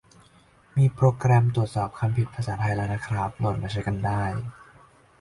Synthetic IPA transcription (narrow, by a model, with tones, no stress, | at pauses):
miː˧pɾoː˧kɾɛ˧mt̪ɾu˨˩ət̪̚sɔː˨˩p̚kʰa˧mpʰi˨˩t̪̚pʰa˧saː˩˦t̪ʰa˧jlaː˧˥wnaː˦˥kʰɾa˦˥p̚no˧˩n̚maː˧˩t͡ɕʰa˦˥jka˧ndaː˥˩j